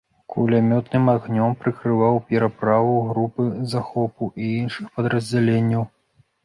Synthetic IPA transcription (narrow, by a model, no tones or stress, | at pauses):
kʰulʲamʲɔt̪nɨmaɣnʲɔmpɾɨkɾɨvawpʲɛɾapɾavuɣɾupɨzaxɔpuʔiinʂɨxpɐd̪ɾɐzʲd͡zʲalʲenʲːɐw